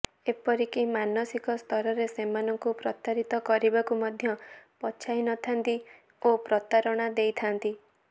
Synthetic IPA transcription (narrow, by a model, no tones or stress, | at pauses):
epɔɾikimanɔsikɔst̪ʰɔɾɔɾesemanɔŋkupɾɔt̪aɾit̪ɔkɔɾibakumɔd̪ʱjɔpɔt͡ʃʰajnɔt̪ʰant̪i | opɾɔt̪aɾɔɽ̃ad̪ejt̪ʰant̪i